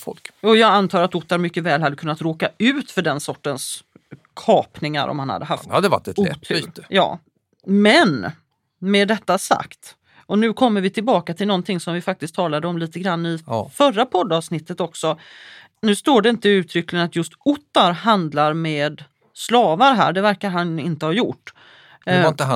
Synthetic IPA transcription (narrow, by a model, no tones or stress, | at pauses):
fɔ̰lkɑjɑːɡant̪ʰɑːɾat̪ʊt̪ːaɾmʏkːəvɛːlɦhad̪ːəkʰɵnːat̪ɾoːkaʉ̟ːt̪fœɖɛnsɔʈːəns | kʰɑːpnɪŋa̰ɾɔ̰mhanha̰d̪ːəɦa̰ft̪ad̪ɛva̰ɛt̪ʰːt̪əjɑ̰ː | mɛn | mɛd̪ɛt̪ːasa̰kt̪ | ɔnʉ̟ːkʰɔmːəɾvɪt̪ʰɪlbɑːkat̪ʰɪlnɔnt̪ʰɪŋsɔmvɪfak̚t̪ɪsk̚t̪ʰɑːlad̪əɔmliːt̪əɡɾanːɪfœrːapʰɔd̪ːɑːvsnɪt̪ːət̪ɔksɔ | nʉ̟ːst̪oːɖɛɪnt̪əɪʉ̟ːt̪ʰɾʏklɪənat̪jɵst̪ʊt̪ːaɾɦand̪laɾmeːd̪ | slɑːvaɾɦæ̰ːɖɛvæɾkaɾɦanɪnt̪əhɑjʊʈː | t̪ə